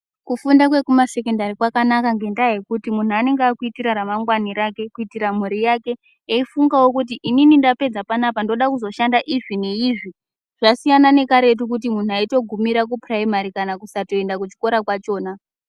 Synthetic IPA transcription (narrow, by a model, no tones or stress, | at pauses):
kufundakwe̞kumase̞kendarikwakanakaŋɡe̞ndaje̞kutimun̤uane̞ŋɡaːkuitiɾaɾamaŋɡwaniɾake̞kuitiɾamuɾijake̞ | eifuŋɡawokut̬iʔininindape̞d͡zapanapandoɗakuzo̞ʃandaʔiʐineiʐi | ʐ̥asijanane̞kaɾe̞t̬uk̬ut̬imun̤uaito̞ɡʱumiɾak̬upraimaɾikanakusato̞e̞ndakut͡ʃi̥ko̞ɾakwat͡ʃo̞ːna